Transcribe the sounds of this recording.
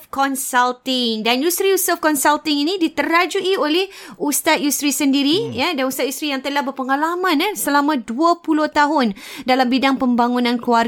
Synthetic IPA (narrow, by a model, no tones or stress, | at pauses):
kɔnsalt̪ɪŋdanjust̪ɾijusəfkɔnsalt̪ɪŋinĩdit̪əɾad͡ʒuʔiolɛhust̪at̪̚just̪ɾisəndiɾijadanust̪at̪̚just̪ɾijaŋt̪əlahbərpəŋalamãnasəlamãduəpuloht̪aɦʊndalambidaŋpəmbaŋunãnkluar